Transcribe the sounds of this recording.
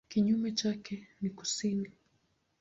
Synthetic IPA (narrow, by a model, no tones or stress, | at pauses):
kiɲumɛt͡ʃakɛniku̥sini